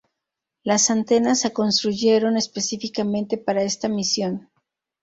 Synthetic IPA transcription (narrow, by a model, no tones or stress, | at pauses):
lasant̪e̞nasako̞nst̪ɾuʝe̞ɾo̞ne̞spe̞sifikamẽ̞nt̪e̞paɾae̞st̪amisjo̞n